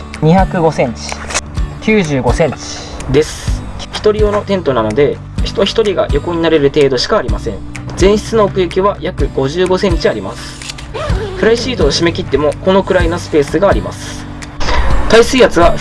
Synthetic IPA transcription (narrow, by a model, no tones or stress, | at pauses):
ɲiçakɯ̟ɡo̞sẽ̞ɲ̟t͡ɕi̥kʲɨːʑɨːɡo̞sẽ̞ɲ̟t͡ɕi̥ | d̪e̞sɨ̥ | çi̥t̪o̞ɾʲio̞no̞t̪ẽ̞nt̪o̞nano̞d̪e̞ | çi̥t̪o̞çi̥t̪o̞ɾʲiɡa̰jʔo̞ko̞ɲ̟inaɾe̞ɾɯ̟t̪e̞ːd̪o̞ɕi̥kaːɾʲimasẽ̞ɴ | d͡zẽ̞ɰ̃ɕi̥t͡sɨno̞ːkɯ̟jekʲiβajakɯ̟ɡ̥o̞ʑɨːɡo̞sẽ̞ɲ̟t͡ɕiaɾʲimasɨ̥ | ɸɯ̟ɾaiɕiːt̪oːɕime̞kʲit̪ːe̞mo̞ko̞no̞kɯ̟ɾaino̞sɨ̥pe̞ːsɨɡaːɾʲima̰sɨ̥ | t̪aisɨːjat͡sɨβa